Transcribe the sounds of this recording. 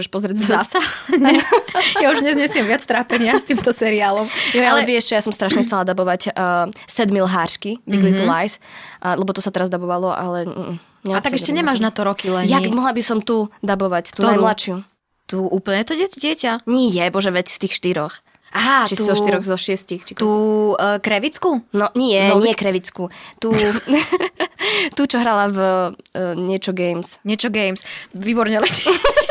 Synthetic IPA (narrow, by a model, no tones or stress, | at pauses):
ʒɛʃpɔzɾɪɛɟzasaɲɛjauʒɲɛzɲɛsɪɛmʋɪat͡st̪ɾaːpɛɲɪast̪iːmt̪ɔsɛɾiaːlɔmjalɛʋɪɛʃʒɛjasɔmst̪ɾaʃɲɛxt͡sɛlad̪abɔʋacːsɛd̪milɦaːɾʃkiʋilit̪ulajslɛbɔt̪ɔsat̪ɛɾazd̪abɔʋalɔʔa̰lɛ | ɲɛat̪aɡɛʃcɛɲɛmaːʒnat̪ɔɾɔkilɛnjamɔɦlabisɔmt̪ud̪abɔʋact̪unnajmlaʃɪu | t̪uʔuːplɲɛt̪ɔɟɛɟɪɛcaɲijɛbɔʒɛʋɛcst̪iːxʃt̪iɾɔx | ʔaɦat͡ʃist̪ɔʃt̪iɾɔɣzɔʃɪɛscixt͡ʃit̪uːkɾɛʋit͡skunɔɲiɛɲɪɛkɾɛʋit͡skut̪uː | t̪ut͡ʃɔɦɾalav | ɲɪɛt͡ʃɔɡɛjmsɲɪɛt͡ʃɔɡɛjmsʋibɔɾɲɛlɛ